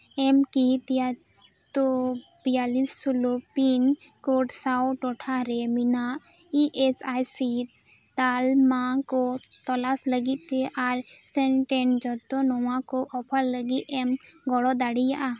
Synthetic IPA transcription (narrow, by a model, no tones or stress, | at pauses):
ɛmkit̪ija | t̪o | bijalisːulopin | koʈsawʈɔʈʰaɾemina | iʔesajsi | t̪almãkot̪ɔlasləɡit̪eʔaɾ | sɛnʈɛnd͡ʒɔt̪onɔwãkoʔɔpʰəlːəɡiʔɛm | ɡɔɽɔd̪aɽijaʔa